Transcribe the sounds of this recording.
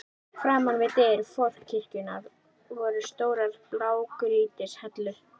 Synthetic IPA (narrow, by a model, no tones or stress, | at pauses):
fɾaːmanvɪt̪eɾfɔr̥cʰːɪr̥cʏnað | vɔɾʏst̪oːwɾaðplaːwkɾiːt̪ɪshɛt̪lʏ